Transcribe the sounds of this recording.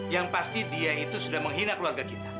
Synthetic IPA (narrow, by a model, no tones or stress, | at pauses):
jaŋpast̪idiait̪usudahməŋɦinakəluarɡakit̪a